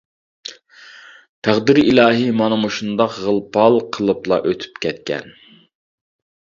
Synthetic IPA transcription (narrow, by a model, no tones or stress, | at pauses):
t̪ʰæʁd̪iɾɪʔilˠɑːɦimɑnɨmuʃund̪ɑqʁəlˠpʰɑlˠqʰəlˠɨplˠɑ̰ʔøt̪ʰy̥pkʲɛt̪̚kʲɛ̰n